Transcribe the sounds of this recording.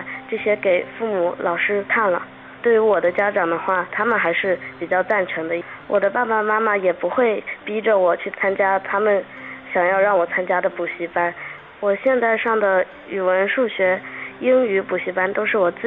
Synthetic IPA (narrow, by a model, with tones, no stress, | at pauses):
ʈ͡ʂɤ˥˩ɕjɛ˥ke˨˩ɪfu˥˩mu˧˥˦lʔɑ˨˩ʊʂɻ̩˥t̪ʰa˥˩nlə̰˩ | t̪we˥˩ɪy˧˥wɔ˨˩d̪ə˦t͡ɕja˥ʈ͡ʂɑ˨˩ŋd̪ə˦xwa˥˩t̪ʰa˥mə˨nxa˧˥ɪʂɻ̩˥˩pi˨˩t͡ɕjɑ˥˧ʊt͡sa˥˩nʈ͡ʂʰɤ˧˥ŋd̪ə˧wʔɔ˨˩d̪ə˦pa˥˩ba˨˩ma˥ma˨jɛ˨˩pu˧˥xwe˥˩ɪpi˥ʈ͡ʂə˨wɔ˨˩t͡ɕʰy˥˩t͡sʰa˥nt͡ɕja˥t̪ʰa˥mə˨n | ɕjɑ˨˩ŋjɑ˥˧ʊɻɑ˥˩ŋwɔ˨˩t͡sʰa˥nt͡ɕja˥d̪ə˨pu˨˩ɕi˧˥pa˥n | wɔ˨˩ɕjɛ˥˧nt̪a˥˧ɪʂɑ˥˩ŋd̪ə˩ | y˨˩wə˧˥nʂu˥˩ɕɥɛ˧˥i˥ŋy˧˥pu˨˩ɕi˧˥pa˥nt̪o˥ʊʂɻ̩˥˩wɔ˨˩t͡sɹ̩˥˩